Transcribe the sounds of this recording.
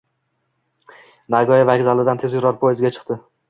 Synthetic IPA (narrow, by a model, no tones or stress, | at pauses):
naɡɒjavakʲzalɪd̪ant̪ʰe̞zkʲʊɾɒɾpʰojɪzɡʲat͡ʃʰɨ̥qt̪ɪ